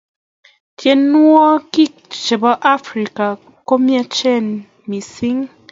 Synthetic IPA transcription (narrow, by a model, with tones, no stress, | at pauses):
tʰjɛ˨nːwɔ˦ki˦˨k̚t͡ʃe˨bɔ˦ʔa˦fɾi˨ka˨ | ko˦mja˦t͡ʃɛ˦˨n | mi˨si˦ŋ